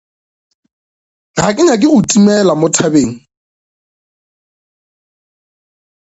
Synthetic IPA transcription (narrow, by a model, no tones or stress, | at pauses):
ɣakʼɪɲakʼɪɣʊtʼimɛlamʊtʰabeːŋ̩